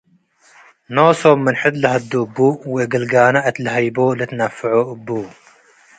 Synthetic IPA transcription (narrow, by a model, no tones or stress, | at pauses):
noːsoːmːɨnħɪt̪lɨɦɐd̪ːubːuːweɡəlɡaːnaʔɐt̪lɦɐjboːlɨt̪nɐfːɨʕoʔbːuː